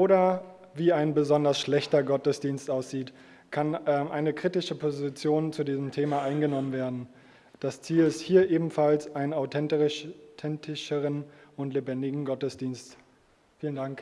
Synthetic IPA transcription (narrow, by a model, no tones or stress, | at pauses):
ʔoːɾɐ | viːaɪnbəzɔndɐsʃlɛçtɐɡɔtəsd̥iːnstʔaʊsz̥iːt | kʰanʔɛːmʔaɪnəkʁ̥itɪʃəpʰozɪt͡sjoːnt͡sudiːzəm̩tʰeːmaʔaɪnɡənɔmənveːɐdn̩ | d̥ast͡siːlɪsthiːɐʔeːbm̩falsʔaɪnənaʊtʰɛnttʰɛntɪʃəʁənʊntlebɛndɪɡŋ̩ɡɔtəsd̥iːnst | fiːləndaŋk